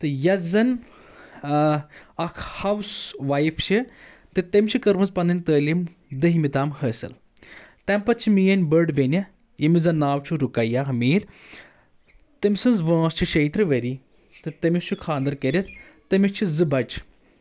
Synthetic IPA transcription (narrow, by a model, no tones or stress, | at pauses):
t̪ɨjɐzɐn | ɐkʰhɐwsʋajift͡ʃʰi | t̪ɨt̪ɐmʲt͡ʃʰikɐɾmɐzpɐnɐnʲt̪əːlʲim | d̪ɐɦimit̪aːmhɐːsɨ̰l | t̪ɐmpɐt̪̚t͡ʃʰimijɐnʲbəɾɖbʲenʲɐ | jɐmizɐnːaːwt͡ʃʰuɾukɐjaːɦɐmiːɾ | t̪ɐmʲsɨnzʋãːst͡ʃʰiʃɐjt̪ɾɨʋɐɾi | t̪ɨt̪ɐmist͡ʃʰukʰaːnd̪ɐɾkɐɾʲɐt̪̚ʰ | t̪ɐmit͡ʃʰizɨbɐt͡ʃ